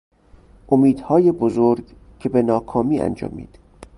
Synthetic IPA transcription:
ʔomiːd̪̥hɒːjebozoɾɡ | cʰe̞benɒːkʰɒːmiːæ̰nd͡ʒɒ̰ːmḭːd̪̥

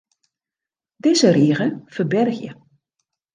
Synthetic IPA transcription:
dɪzəriːɣəfəbɛrɣjə̰

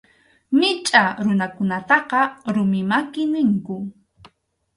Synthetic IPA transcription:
mɪt͡ʃʼaɾʊnakʊnat̪ɑqɑɾʊmɪmakɪnɪŋkʊ

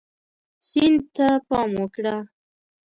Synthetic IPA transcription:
sind̪̚t̪apɑmwəkɽa

